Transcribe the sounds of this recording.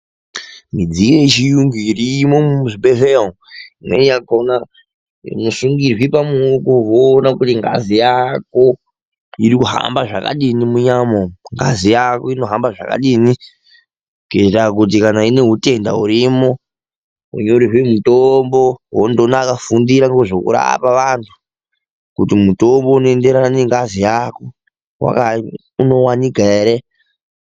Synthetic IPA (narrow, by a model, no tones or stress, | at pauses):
mid͡zijet͡ʃijuŋɡuirimomuʐiɓeveo | imwḛijakona | nusuŋɡirwipamuukuɦoːnakutiŋɡa̰zijako̞ | iɾikuɦa̰mbaʐaka̰ɗinimuɲamoŋɡa̰zijako̞ino̞ɦambaʐa̰ka̰ɗini | ketak̬ut̬ikanaine̞ɦute̞nda̰uɾimo̞ | ṵɲeuɾiɦwemutombo̞ɦondonakafundiɾaŋɡoʐokṵɾa̰paʋantʰu̥ | kutimutombo̞unoende̞ɾaaneŋɡazijako̞ | wa̰ka | uno̞wanikaeɾe